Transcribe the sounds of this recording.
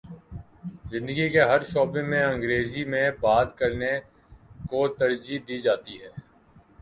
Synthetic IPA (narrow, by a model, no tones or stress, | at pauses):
zɪ̃nd̪əɡikeɦɐɾʃoːbẽmẽɐ̃ŋɡɾeːzimẽbaːt̪kɐɾne | kot̪ɐɾd͡ʒid̪iːd͡ʒaːt̪iɦɛː